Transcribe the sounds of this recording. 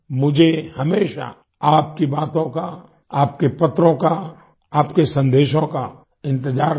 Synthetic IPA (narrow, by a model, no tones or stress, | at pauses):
mʊd͡ʒʱehɐmeːʃa̰ | aːp̚kibaːt̪õka | aːp̚kepɐt̪ɾõka | aːpkesɐ̃nd̪eːʃõka | ɪ̃nt̪ɪd͡ʒaːɾ